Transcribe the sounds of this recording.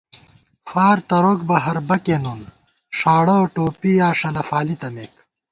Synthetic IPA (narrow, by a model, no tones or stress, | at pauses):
faːɾt̪ɐɾoːk̚bɐɦɐɾbɐkeːnun | ʂaːɽɐoʈoːpijaːʂɐlɐfaːlit̪ɐmeːk